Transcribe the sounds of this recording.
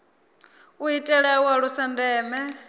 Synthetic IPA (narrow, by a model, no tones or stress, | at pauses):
uitʼɛɺɛwaɺusandɛːmɛ